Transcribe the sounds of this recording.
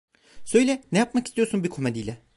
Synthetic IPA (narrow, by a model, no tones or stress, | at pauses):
sø̞jlʲɛnejap̚makist̪ijo̞ɾsunbikʰomed̪ijlʲɛ